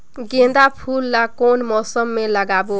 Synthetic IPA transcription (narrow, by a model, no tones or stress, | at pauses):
ɡẽnd̪apʰulːakonmɔsʌmːelʌɡabo